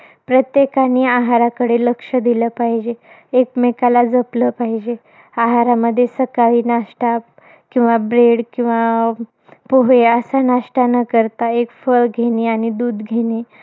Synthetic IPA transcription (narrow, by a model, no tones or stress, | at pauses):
pɾət̪jekaniːaɦaɾakəɽeləkʂəd̪iləpaɦid͡ʑeː | kmekalad͡zəpləpaɦid͡ʑe | aɦaɾaməd̪ʱːjesəkaʋiːnaʂʈa | kĩw̃ʋabɾeɽkĩw̃ʋa | poɦeəsanaʂʈanəkəɾt̪aekfəɭɡʱeñiaɽ̃id̪uːd̪ɡʱeni